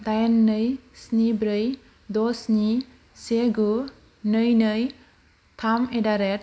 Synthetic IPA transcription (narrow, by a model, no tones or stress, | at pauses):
dajanːɯjsnibɾɯj | dɔsni | seɡu | nɯjnɯj | tʰamedaɾet̚